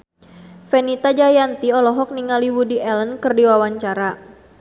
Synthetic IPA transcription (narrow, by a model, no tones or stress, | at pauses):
fɛnit̪ad͡ʒajant̪iɔlɔɦɔk̚niŋaliwudiʔɛlənkɨrdiwawaɲt͡ʃaɾa